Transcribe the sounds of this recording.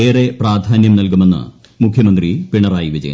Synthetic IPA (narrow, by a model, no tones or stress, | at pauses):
eːre̞praːd̪ʱaːnjɐmnɐlkume̞nːɨ̰ | mukʰjɐmɐnd̪ripiɳɐɾaːjiʋid͡ʑɐ̰j̰n